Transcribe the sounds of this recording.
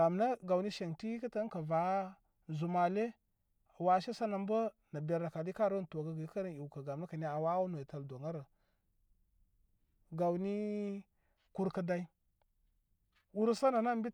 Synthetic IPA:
a˨mna˦ɡa˨wni˦ʃe˨ŋti˦kə˦ta˦ŋ˦ka˨va˨˦ | zu˨ma˨le˦ | a˨wa˦ʃe˦sa˦na˨m˦bə˦ | na˨be˨ɾa˨ka˨di˦a˦˨ɾo˦n˨to˨ɡa˨ɡi˨˦ka˦ɾə˦˨i˨wka˨ɡa˨m˨na˦ka˨ne˨a˨wa˦no˨i˨ta˨ldo˨ŋa˦ɾa˨ | ɡa˨wni˦ | ku˦ɾkə˦da˦i˦ | wu˦ɾsa˦na˨na˦m˦bi˦

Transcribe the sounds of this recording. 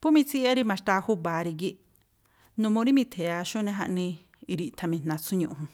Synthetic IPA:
pu˦mĩ˧t͡si˦a˦ɾi˧mã˧ʃt̪a˧hu˦ba˨ɾi˧ɡi˧ | nũ˧mõ˧ɾi˦mĩ˧t̪ʰe˨a˧ʃu˦˧nẽ˧ɦa˧ʔnĩ˧ | i˧ɾi˧t̪ʰa˧mĩ˧˨n̥ã˨˧t͡su˦ɲũ˧hũ˧

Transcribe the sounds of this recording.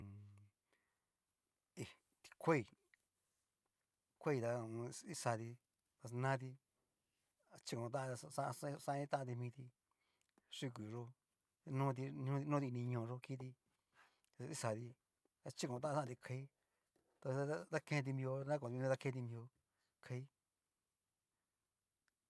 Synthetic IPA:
i˧ | t̪i̥˧kʷe˦i˧˨ | kʷe˦i˧t̪a˧i˦sa˧t̪i˧ | t̪a˧nã˦t̪̬i˧ | a˧t͡ʃi˦˧kõ˨˧t̪̬ã˦˧sa˦˧sã˦˧nĩ˧˦t̪ã˦ʔã˧t̪i˧mĩː˧t̪i˧ | ʂu˦˧ku˨ʐo˧ | nũ˦t̪̬i˧nũ˦˧nũ˦t̪i˧nĩ˧ɲõ˧˨˧ʐo˧ki˦t̪i˧ | i˦sa˧t̪i˧ | t̪a˧t͡ʃi˦kõ˨˧t̪ã˦˧ã˦˧t̪i˧kʰa˧i˦ | t̪a˧d̪a˦kẽ˧t̪̬i˧mĩ˧o˧nã˦kõ˧˨t̪ːða˧kẽ˧t̪̬i˧mĩ˧o˧ | kʰa˧i˦

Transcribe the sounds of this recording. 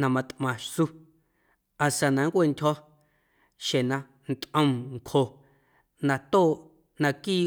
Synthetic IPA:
nã˧mã˧t̪ʔmã˨ʃsu˧ | a˨sa˧nã˨˧ŋkʷe˦˨ndʲhɔ˦ | ʃe˨nã˧ | nt̪ʼʔə̃˧mŋkʰho˨ | nã˧t̪oː˦˨ʔ | nã˧kiː˦˨

